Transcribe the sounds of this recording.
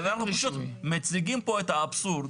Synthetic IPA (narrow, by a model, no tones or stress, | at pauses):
naχnuʃut̪met͡siɡimpoet̪aːbsuɾd̪